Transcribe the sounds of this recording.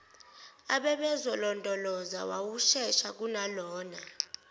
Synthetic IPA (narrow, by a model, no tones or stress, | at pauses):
aɓɛɓɛzɔlɔndʼʱɔlɔza̰wawuʃɛʃak̬unalɔːna